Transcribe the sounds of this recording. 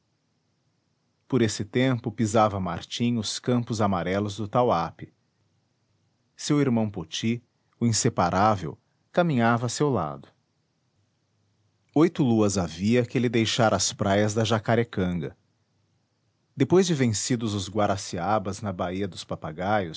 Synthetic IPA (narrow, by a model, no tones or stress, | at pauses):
poɾesɪt̪ẽmpʊpizavɐma̰ɾt͡ʃĩʊskɐ̃mpʊzamaɾɛlʊzd̪ʊt̪awapɪ | sewiɾmɐ̃w̃pot͡ʃi | ʊĩsepaɾʔavḛw | kamĩɲavɐːsewla̰d̪ʊ | ojt̪ʊluɐzaviɐkɪlɪd̪ejʃaɾɐspɾajɐzd̪ɐʒakaɾekɐ̃ŋɡɐ̰ | d̪epojzd͡ʒɪvẽsid̪ʊzʊzɡwaɾasiabɐznɐbaiɐd̪ʊspapaɡajʊs